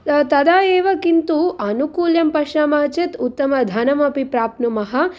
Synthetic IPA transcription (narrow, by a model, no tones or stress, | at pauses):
t̪ɐd̪aːjeːʋɐkint̪uʔɐnukuːljɐmpɐʃɐmɐːt͡ʃet̪ut̪ːɐmɐd̪ʱɐnɐmɐpipɾaːpnumɐɦɐ̆